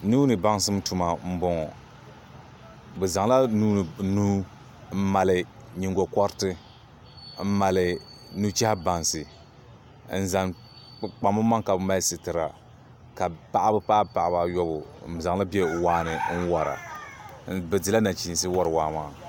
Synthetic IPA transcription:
nuː˦nɨ˨ba˦ŋsɨ˦mtu˨ma˨m̩˦bɔ˨ŋ˨ | bɛ˨za˨ŋla˦nuː˦˨nuː˦ | m̩˦ma˨lɨ˨ɲi˨ŋɡɔ˨kɔ˦ɾtɨ˦ | m̩˦ma˨lɨ˨nu˦t͡ʃɛ˦ha˦ba˨nsɨ˨ | n̩˨za˨ŋ | k͡pa˨mɨ˦ma˦ŋka˨bɨ˨ma˦sɨ˨tɨ˨ɾa˨ | ka˨pa˦˨ʔa˦bɨ˦pa˦pa˨ʔa˨ba˨jɔ˦bʊ˨za˨ŋ˦la˦bɛ˦˨waː˦nɨ˨n̩˦wa˨ɾa̰˨˦ | bɛ˨dɨ˨la˦na˨t͡ʃi˨s̬ɨ˦wɔ˦ɾɨ˨waː˨˦maː˦˨

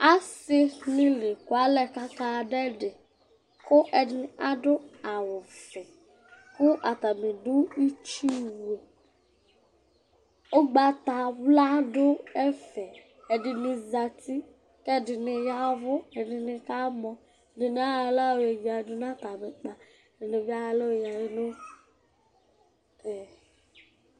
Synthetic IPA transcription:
a˦sɪ˦nɪ˦le˨kʊ˨a˦lɛ˨ka˦ka˨dɛ˦dɪ˨ | kʊ˦ʔɛ˨dɪ˨nɪ˨ʔa˦dʊ˦a˨wʊ˨fɛ˨ | kʊ˦ʔa˨ta˨mɪ˨dʊ˦i˦t͡ʃi˦we˨ | ʊ˦ɡ͡ba˨ta˨vla˦dʊ˦ɛ˦fɛ˨ | ɛ˨dɪ˨nɪ˨za˨ti˦ | kɛ˦˨dɪ˨nɪ˨ja˦vʊ˦ɛ˨dɪ˨nɪ˨ka˦mɔ˨ | dɪ˨nɪ˨˦a˦˨la˦˨we˨d͡ʒa˨dʊ˦n˦a˦t̪a˨mɪ˨k͡pa˨ | dɪ˨nɪ˨vi˦a˦˨lo˦˨ja˨jɪ˦lo˦ | ɛ˨

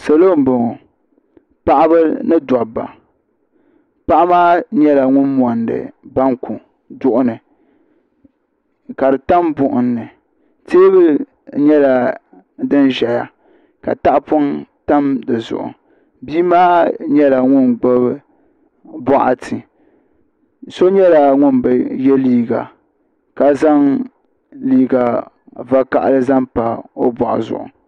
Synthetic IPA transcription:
sɛ˨lo˦˨m˨bo˨ŋo˨ | pa˦ʔa˦bɨ˦nɨ˦da˨bːa̰˨ | pa˦ʔa˦maː˦ɲɛ˦la˨ŋʊ˦nmɔ˨ndɨ̰˨ba˦ŋku˨ | dʊ˨ʔʊ˨nɨ˨ | ka˨dɨ˨ta˦mbʊ˦˨ʔʊ˨nːɨ˨ | teː˦βɨ˦ | ɲɛ˦la˨ | dɨ˦nʒɛ˨ja˨ | ka̰˨ta˦ʔpo˦nta˦mdɨ˨zʊ̰˨ʔʊ̰˨ | biː˦maː˦ɲɛ˦la˨ŋʊ˦nɡ͡bo˦bɨ˦ | bɔ˦ʔa̰˨tʰɨ˨ | so˦ɲɛ˦la˨ŋʊ˦nbɨ˨jɛ˦liː˦ɡa̰˨ | ka˨za˦ŋ | liː˦ɡa˨ | va˦ka̰˨ʔa̰˨lɨ˦za˦mpa˨o̰˦bɔ˨ʔʊ̰˨zʊ̰˨ʔʊ̰˨

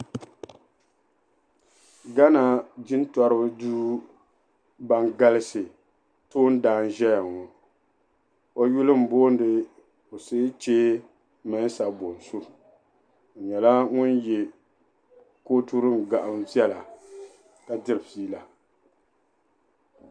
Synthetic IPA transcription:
ɡa˦na˨d͡ʒɪ˦n˦tɔ˦ɾɨ˦bɨ˦duː˦ | ba˦ŋɡa˦lɪ˦sɨ˨ | toː˦n̩˦daː˨˦˨n̩˦ʒɛ˦ja˨ŋɔ˨ | o˦ju˦lɨ˦m̩˨boː˦n˦dɨ˨ | o˨se˦t͡ʃeː˦ | mɨ˨˦sa˨bo˨n˨su˦˨ | ɲɛ˨la˦ŋʊ˦nje˨ | koː˦tu˦ɾɨ˦m˨ɡa˨ʔa˨mzɛ˦la˨ | ka˨dɨ˦ɾɨ˨fiː˦la˨

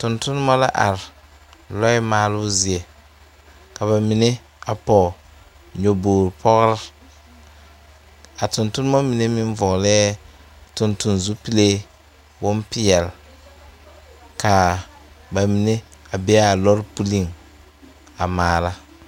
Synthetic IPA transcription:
tʊ˨ntʊ˦n˦mɔ˦la̰˦ʔa˨ɾɪ˨ | lɔ˦ɪ˦maː˨lʊ˦zi˨e˨ | ka˨βa˨mi˨ne˦ | a˨pɔ˨ | ɲo˨boː˨ɾpʰɔ˦ɣɾɪ˦ | a˨tʊ˨ntʊ˦n˦mɔ˦mi˨ne˦mɪ˦ɱ˦vɔ˨ɣlɛː˦ | tʊ˨ntʊ˨nzu˦pi˦le˦ | bʊ˦mpɪ˦jɛ˨l | ka˨ | ba˨mi˨ne˦a˨bɛ˦a˨lɔ˦ɾpu˦li˦˨ŋ | a˨maː˨la˦

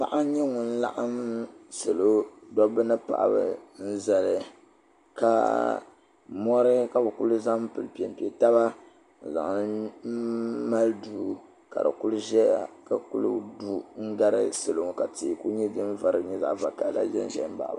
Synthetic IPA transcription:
pa̰˦ʔa˦ɲɛ˦ŋʊ˨n̩˦la̰˦ʔa˦msɨ˨lo˦dɔ˦bɨ˦nɨ˦pa̰˨ʔa̰˨bɨ̰˨n̩˦za˨lɨ˨ | ka̰˨ | mɔ˦ɾɨ˦ka˨bɨ˨ku˦lɨ˦za˦m˦pɨ˨lpi˨ɛ˨m˨pi˨ɛ˨ta˦βa˦ | n̩˨za̰˨ŋ˨˦ | ma˦lduː˨ | ka̰˨dɨ̰˨ku˦lʒɛ˦a˦ka˨kṵ˦lṵ˦˨du˦ŋ̩˦ɡa˦ɾɨ˦sɨ˨lo˨ŋ˨ka˨ti˨ku˦ɲɛ˦dɨ˦n˦va˨ɾɨ˨ɲɛ˦za̰˨ʔva˨ka˨˦la̰˦ʒɛ̰˦n˦ʒɛ̰˨˦ba̰˨ʔba˦˨

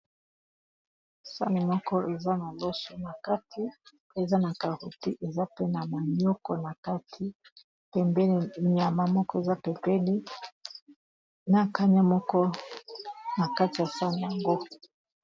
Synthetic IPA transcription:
sa̰˦ni˨mɔ˦kɔ˦ʔe˨za˦na˨lɔ˦sɔ˨na˨ka˦tʰi˦ | e˨za˦na˨ka˨hu˨ti˦ʔe˨za˦pɛ˦na˨ma˨ɲɔ˦kɔ˨na˨ka˦tʰi˦ | pɛ˨mbɛ˦n˨ɲ˨a˨ma˦mɔ˦kɔ˦e˨za˦pɛ˨pɛ˦li˦ | na˨ka˦ɲa˦mɔ˦kɔ˦ | na˨ka˦ti˨ja˨sa˦ni˨a˨ŋɡo˦

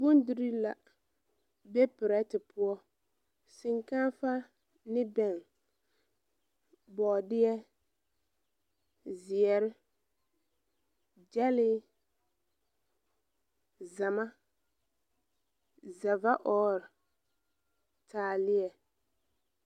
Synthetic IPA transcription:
bʊ˦ndɪ˨ɾi˦la˨ | bɛ˦pɪ˨ɾɛ˦tɪ˨pʊ˦ɔ˦ | sɪ˨ŋka˦nfa˦ | nɪ˦bɛ˨ŋ | bɔ˨dɪ˦ɛ˦ | zɪ˨ɛ˨ɾɪ˦ | d͡ʒɛ˦lɪ˦ | za˨ma˦ | za˨va˦ʔɔː˦ɾɪ˨ | tʰaː˨lɪ˦ɛ˨

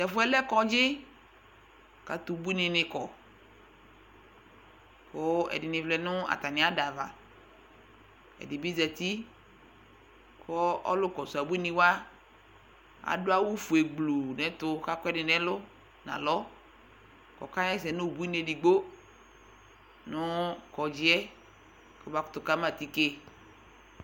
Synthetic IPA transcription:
sɛ˨fʊ˦ɛ˦lɛ˦kɔ˦d͡ʒɪ˦ | ka˨t̪u˨bu˦i˦nɪ̃˨nɪ̃˨kɔ˨ | kʊ˦ɛ̰˨dɪ˨nɪ˨vlɛ˨nʊ˦a̰˨t̪a˨nɪ̃˨˦a˦da˨va̰˨ | ɛ̰˨dɪ˨bi˦zɛ˨t̪i˦ | kʰɔ˦ɔ̰˦lʊ˦kɔ˨su˨a˨bu˦i˦nɪ̃˨wa˦ | a̰˨dʊ˦a˦wʊ˦fu˨e˨ɡ͡blo˨nɛ̃˨˦tʊ˦ka˦kɔ˦ɛ˦dɪ˨nɛ̃˦lʊ˦ | nã̰˨lɔ˦ | kɔ̰˨ka˦ɛ˦sɛ˨nʊ˦˨bu˦i˦ne˨di˨ɡ͡bo˦ | nʊ˦kɔ˨d͡ʒɪ˦ɛ˦ | kɔ˨˦ba˦kʊ̥˦t̪ʊ˨ka˦ma˦˨ti˦ke˦

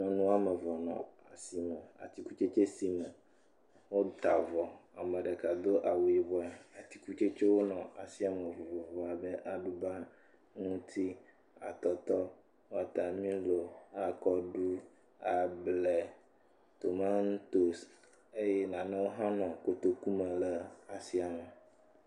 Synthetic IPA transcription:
mɛ̃˨nũ˦a˦mɛ˨vɔ˨nɔ̰̃˨a˨si˨mɛ̃˨a̰˨t̪i˦ku˦t͡ʃe˦t͡ʃe˦si˦mɛ̃˨ | wo˦t̪a˨vɔ˨a˨mɛ̃˨ɖɛ˨ka˨d̪o˦ʔa˨wu˨i˨bɔ˦a˨a˨t̪i˦ku˦t͡ʃe˦t͡ʃe˦wo˦nɔ̃˨a˨si˦a˨me˨vo˨vɔ˨vɔ˨a˨be˦ʔa˨ɖu˦ba˦ | ŋũ˦t̪ʰi˦ | a̰˨t̪ɔ˨t̪ɔ˦ | wo˦a˨t̪a˨mĩ˦lo˨a˨kɔ˨ɖu˦ | a˨blɛ˨ | t̪o˨ma˦n˦t̪o˨s | e˦jɛ˦nã˨nɛ̃˦wo˦ɦã˦nɔ̃˨ko˦t̪o˦ku˦mẽ˨lɛ˦a˨si˦a˨me˨

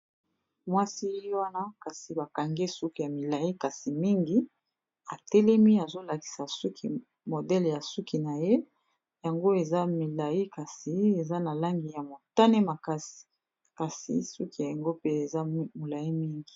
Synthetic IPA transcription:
mwa˦si˦wa˦na˦ka˨si˨ba˨ka˨ŋɡe˦su˦ki˨ja˨mi˨la˨ji˦ka˨si˨mi˦ŋɡi˦ | a˨tɛ˦lɛ˦mi˦a˨zo˦la˨ki̥˨sa˨su˦kʰi˨ | mo˨dɛ˦lja˨su˦ki˨na˨je˦ | ja˨ŋɡo˦e˨za˦mi˨la˨ji˦ka˨si˨e˨za˦na˨la˦ŋɡi˨ja˨mo˨ta˦ne˦ma˨ka˦si̥˨ | ka˨sḭ˨su˦ki˨ja˨ŋɡo˦pe˦e˨za˦mo˨la˨i˦mi˦ŋɡi˨

